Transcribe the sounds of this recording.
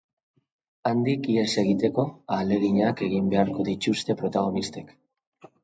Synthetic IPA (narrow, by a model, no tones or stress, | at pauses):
and̪ikiese̞ɣit̪e̞ko̞ale̞ɣiɲake̞ɣimbe̞aɾko̞ðit͡ʃust̪e̞pɾo̞t̪aɣ̞o̞nist̪ek